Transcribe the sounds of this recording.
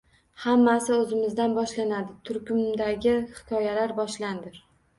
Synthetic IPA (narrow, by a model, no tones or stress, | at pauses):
hamːasɪɵzɪmɪzd̪anbɒʃlanad̪ɪt̪ʰʊɾkʲʰʊmd̪aɡʲɪhɪ̥kʰɒjalaɾbɒʃland̪ɪɾ